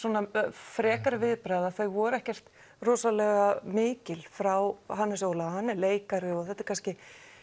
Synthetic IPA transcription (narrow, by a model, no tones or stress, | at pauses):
sɔːnafɾɛːkaɾvɪðpɾaːjðaθeɣvɔːɾɛhcɛr̥t̪ | rɔːsalɛːɣamɪːcɪlfɾawɦanːɪsoːwlahanːɪleːjkaɾɪɔɣθɛt̪ːaɾ̥kanscɪ